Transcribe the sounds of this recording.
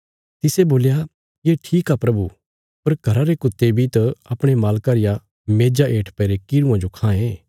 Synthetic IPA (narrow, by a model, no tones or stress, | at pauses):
t̪ɪseboːlja | jeːʈʰiːkapɾɐbu | pɐɾɡʱɐɾaɾekʊt̪ːebʱit̪ɐɐpɽ̃emaːlkaɾɪja | meːd͡ʒaʔeːʈʰpɛːɾekiɾũãd͡ʒokʰãːẽ